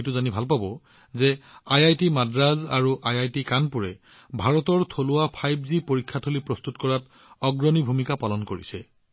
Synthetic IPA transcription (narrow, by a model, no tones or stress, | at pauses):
ejtuzanibʱalpabɔ | zɛajajtimadɹazaɹuʔajajtikanpuɹɛ | bʱaɹɔtɔɹtʰolʊwapʰajbzipoɹikʰːatʰolipɹɔst̪utkɔɹat | ɔɡɹɔnibʱumikapalɔnkoɹḭsɛ